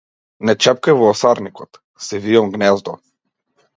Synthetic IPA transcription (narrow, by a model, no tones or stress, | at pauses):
nɛt͡ʃɛp̚kajvɔːsaɾnikɔt̪ | sɛviɔmɡnɛzd̪ɔ